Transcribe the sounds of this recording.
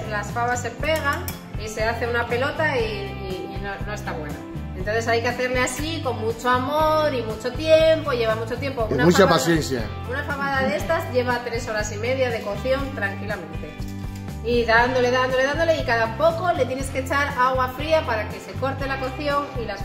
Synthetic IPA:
lasfaβasːe̞mpe̞ɣ̞aŋ | ise̞aθe̞unape̞lo̞t̪aiː | nono̞est̪aβwe̞naent̪o̞nθe̞sajkeaθe̞ɾleasiko̞nmut͡ʃo̞amo̞ɾimut͡ʃo̞t̪je̞mpo̞iʝe̞βamut͡ʃo̞t̪je̞mpo̞unamut͡ʃapaθjenθja̰ | unafaβaðaðeest̪azʝe̞βat̪ɾe̞so̞ɾasime̞ðjaðe̞ko̞θjo̞nt̪ɾaŋkilamẽ̞nt̪e̞ | iðand̪o̞le̞ðand̪o̞leand̪o̞leikaðapo̞ko̞le̞t̪je̞ne̞sket͡ʃaɾaɣwafɾiapaɾake̞se̞ko̞ɾt̪e̞lako̞θjo̞ŋilas

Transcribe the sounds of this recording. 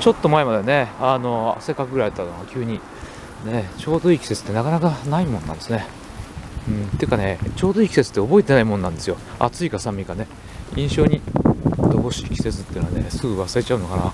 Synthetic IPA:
t͡ɕo̞t̪ːomae̞mad̪e̞ne̞ano̞a̰se̞kakɯɡɯɾait̪ːanoɡakʲɨːɲ̟i | net͡ɕo̞ːd̪o̞ikʲi̥se̞t͡sɨ̥t̪ːe̞nakanakanaimõ̞nnã̰nd̪esɨne | ɯ̟̃ɴt̪eɯ̟kane̞t͡ɕo̞ːd̪oikʲi̥set͡sɨ̥t̪ːeobo̞et̪e̞naimonːãnd̪e̞sɨjo̞a̰t͡sɨikasãmʲːikane̞ | ĩɕo̞ːɲ̟id̪oɡo̞ɕi̥kʲi̥se̞t͡sɨ̥t̪ːei̟noane̞sɨɡɯ̟βasaet͡ɕaɯ̟no̞kana̰

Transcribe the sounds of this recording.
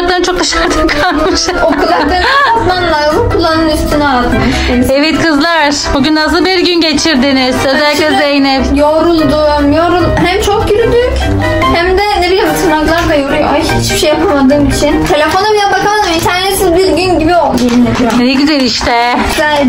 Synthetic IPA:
klˠaɾɯnt͡ʃʰo̞k̚d̪aʃaɾd̪ʰamkʰalˠmɯʃ | okʰulˠːad̪ɯat̪manlˠajoɾukʰulˠːanɯnyst̪ʰynyalˠd̪ɯm | eievɛt̪kʰɯzlˠaɾɾ̥buɟʲynːas̬ɯlˠbiɾɟynɟe̞t͡ʃʰiɾd̪inɪz̥øzælʲːiklʲɛzejnɛpjoɾulˠd̪u | mjoɾunɦæmt͡ʃʰok̚ɟyɾyd̪yc | hæmd̪ɛneɾijazɯt̪umaklˠaɾd̪ajoɾujo̰ahit͡ʃbiʃejapʰamad̪ɯːmit͡ʃʰint̪ʰe̞lʲe̞fo̞nabilʲænbakad̪amit̪ʰæɾnesizbiɾɟynɟibio̞lˠd̪uinːʲed̪ijomnɛɟyzælʲiʃt̪ɛ

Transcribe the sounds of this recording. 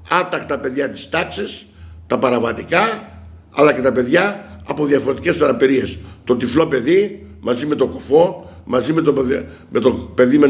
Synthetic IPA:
ɐt̪ɐkt̪ɐpe̞ðʝɐt̪i̥st̪ɐksis | t̪ɐpɐɾɐvɐt̪ikɐ | ɐ̰lɐce̞t̪ɐpe̞ðʝɐːpo̞ðjɐfo̞ɾet̪i̥ce̞st̪ɐnɐpiɾie̞st̪o̞t̪iflo̞pe̞ðimɐzime̞t̪o̞kofo̞mɐzime̞t̪o | met̪ope̞ðime

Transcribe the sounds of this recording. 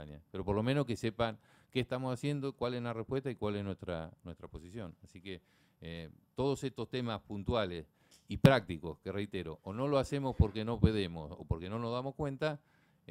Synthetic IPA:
a̰nja̰peɾo̞po̞ɾlo̞mẽno̞hkese̞paŋ | keːht̪amo̞sasje̞nd̪okwalezlarehpwe̞ht̪aikwaleznwet̪ɾa̰nwe̞st̪ɾapo̞sisjo̞nasike | t̪o̞ð̞o̞sest̪ost̪e̞maspunt̪wales | ipɾak̚t̪iko̞̰skerejt̪eɾo̞ʔːno̞loase̞mo̞spo̞ɾkeno̞pe̞ðemo̰so̰poɾkeno̞no̞ɦðamo̞skwe̞nt̪a

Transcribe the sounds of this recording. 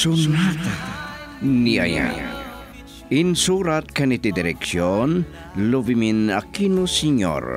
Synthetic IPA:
un | nia̰ja̰ | insuɾat̪̚kanit̪id̪iɾeksiɔn | loviminakinusiɲɔ̰ɾ

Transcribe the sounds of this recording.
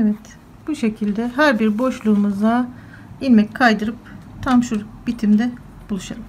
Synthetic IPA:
evɛt̪ | b̥uʃe̞cʰilʲd̪ɛɦæɾbiɾbo̞ʃlˠuːmuza | ilʲmɛckʰajd̪ɯɾɯp̚ | t̪ʰamʃuɾbit̪ʰimd̪ɛ | bulˠuʃaɾɯm

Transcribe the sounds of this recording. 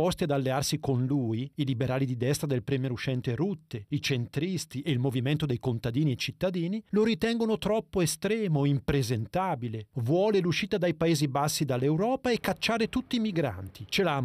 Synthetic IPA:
ɔst̪iad̪alːearsikonluːiilibeɾaːlid̪id̪ɛst̪ɾad̪elpɾɛmeɾuʃɛnt̪eɾut̪ːeit͡ʃent̪ɾist̪iʔeilmoviment̪od̪ejkont̪ad̪iːniet͡ʃit̪ːad̪iːniloɾit̪ɛŋɡonot̪ɾɔpːoest̪ɾɛːmoimpɾezent̪aːbilevwɔːleluʃiːt̪ad̪ajpaeːzibasːid̪alːewɾɔːpaekːat͡ʃːaːɾet̪ut̪ːiːmiɡɾa̰nt̪it͡ʃelam

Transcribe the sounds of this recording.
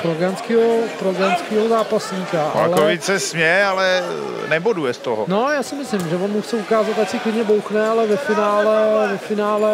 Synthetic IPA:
pɾoɡɾanskiːɦopɾoɡɾanskiːɦozaːpasɲiːkaʔaa̰lkɛovit͡sɛsmɛalɛ | nɛbodujɛst̪oɦonojaːsɪmɪslɪmʒɛvonmuxtt͡sɛukaːzat̪acsɪklɪdɲɛbowxnɛalɛvɛfɪnaːlɛvɛfɪnaːlɛ

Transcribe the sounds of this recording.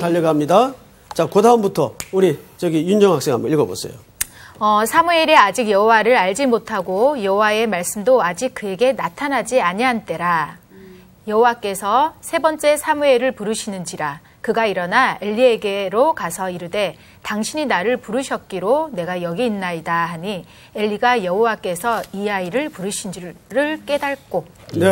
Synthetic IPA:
taʎːʌɡaamɲida | t͡ɕakodʰaumbutʰʌuɾit͡ɕʌɡijund͡ʑʌŋɦak̚s͈eŋɦa̰mbʌiɭɡʌbo̰s͈ʰḛjo | ʌsʰamue̞ɾead͡ʑiɡjʌɦowaɾɯɾaɭd͡ʑimotʰaɡojʌɦowae̞maɭs͈ɯmdoad͡ʑik̚kɯe̞ɡe̞natʰanɦad͡ʑiaɲiɦant͈e̞ɾa | jʌɦowak͈e̞sʰʌsʰe̞bʌnt͡ɕ͈e̞sʰamueɾɯɭpuɾɯɕʰinɯnd͡ʑiɾa | kɯɡaiɾʌnae̞ʎːie̞ɡeɾokasʰʌiɾɯde̞ | taŋɕʰiɲinaɾɯɭpuɾɯɕʰʌt̚k͈iɾone̞ɡajʌɡiːnːaidahaɲi | e̞ʎːiɡajʌɦowak͈e̞sʰʌijaiɾɯɭpuɾɯɕʰind͡ʑɾɯɭk͈e̞daɭk͈o

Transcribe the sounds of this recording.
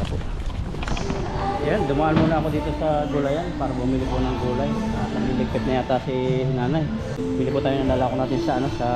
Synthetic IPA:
ɐpo | ɐjand̪ʊmaʔɐnmuːnɐʔɐko̞d̪iːt̪o̞sɐɡulɐjanpaːɾɐbumiːliponɐŋɡuːlɐjanɐɡinlɪɡ̚pɛt̪̚nɐjaːt̪ɐsinaːnaj | miːlipʊt̪aːjonɐŋlaːlaːkonaːt̪ɪnsɐʔɐno̞sɐ

